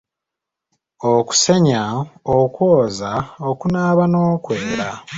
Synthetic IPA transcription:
oku̥se̞ɲaokwoːzaokunaːβano̞ːkweːɾa

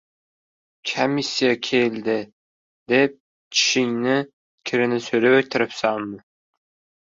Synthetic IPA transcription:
kʲʰamisʲːijakʲʰeld̪ɪ | d̪ep̚ | t͡ʃʰɪ̥ʃɪŋnɪ | kʲʰɪɾɪnɪsɵɾɪøt̪ʰːɪɾɪpsanmɪ

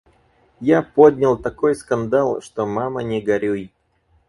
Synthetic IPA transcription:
japod̪ʲnʲɪlˠt̪ɐkojskɐnd̪alˠʂt̪omamənʲɪɡɐɾʲuj

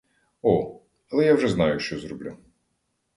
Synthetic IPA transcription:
ɔ | ɐlˠɛjawʐɛznɑjʊʃt͡ʃɔzɾɔblʲu

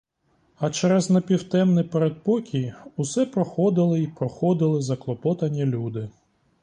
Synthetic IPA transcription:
ɐt͡ʃɛɾɛznɐpʲiwt̪ɛmnɛpeɾed̪̚pɔkʲʰijusɛpɾɔxɔd̪ɪlˠɪipɾɔxɔd̪ɪlˠɪzɐklˠɔpɔt̪ɐnʲːilʲud̪ɪ

